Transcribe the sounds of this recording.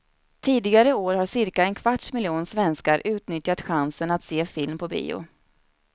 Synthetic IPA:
t̪ʰiːd̪ɪɡaɾəoːɾhaʂɪɾkaɛnkʰv̥aʈʂmɪljuːnsvɛnskaɾʔʉ̟ːt̪nʏt̪jat̪ɧansənat̪seːfɪlmpʰɔbḭːʊ̰

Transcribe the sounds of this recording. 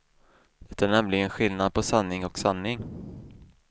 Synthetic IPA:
d̪̥ɛt̪ːaæːɳɛmlɪɡənɧɪlnad̪̚pʰɔsanːɪŋɔksanːɪŋ

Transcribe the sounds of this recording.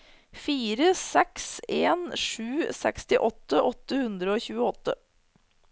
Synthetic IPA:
fiːɾəsɛkseːnʂʉːsɛ̰kst̪ɪʔɔt̪ːəʔɔt̪ːəhʉnd̪ɾəoːçʉːəɔt̪ːə

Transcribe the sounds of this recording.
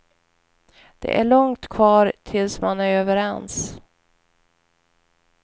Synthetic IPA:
d̪̥ɛ̰ʔæɭɔŋt̪kʰvɑːɾt̪ʰɪlsmanæɾøːvəɾɛns

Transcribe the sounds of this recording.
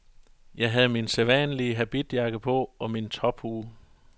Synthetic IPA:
jɑ̈ɪɦæð̩ˠminseʋæ̰nliəɦæb̥id̥jɑ̈ɡ̥əpʰɔ̽ɒ̽mint͡sʰɒ̽b̥huː

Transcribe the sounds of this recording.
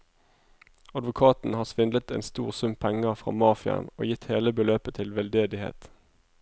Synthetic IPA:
ɑd̪ʋʊkʰɑːt̪n̩hɑːsʋɪnd̪ət̪ḛːnst̪uːʁsʉmpʰɛŋəfʁɑ̰ːmɑːfɪə̰no̰ːjɪt̪heːləbəløːpət̪ʰɪlʋɛld̪eːd̪ɪhḛːt̪

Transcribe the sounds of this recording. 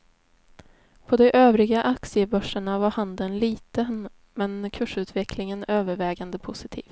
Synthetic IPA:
pʰɔd̪ɛʔøːvɾɪɡaʔaksɪəbœʂːəɳavaɾhand̪ənliːt̪ən | mɛnkʰʉːʂʉ̟ːt̪vɛkʰlɪŋənøːvəɾvɛːɡand̪əpʰʊsɪt̪ʰḭːv

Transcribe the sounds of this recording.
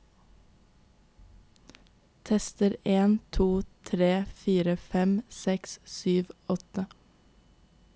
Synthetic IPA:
t̪ʰɛst̪əɾeːnt̪ʰuːt̪ʰɾeːfiːɾəfɛmsɛkssyːʋɔt̪ə

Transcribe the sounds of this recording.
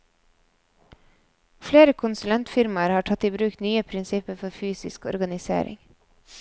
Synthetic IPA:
fleːɾəkʰʊnsʉlɛnt̪fɪɾmɑɾhɑːʈʰɑt̪iːbɾʉːkt̪nyːəpʰɾɪnsɪpəfɔfyːsɪ̰skɔ̰ɾɡɑnɪsḛːɾɪ̰ŋ

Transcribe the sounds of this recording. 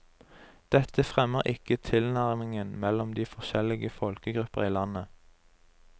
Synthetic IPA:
d̪̥ɛt̪ʰəfʁɛməʁʔɪkət̪ʰɪlnæʁmɪŋənmɛlɔmd̪iːfɔʁʃɛlɪɡəfɔlkəɡʁʉpəʁiːlɑnə

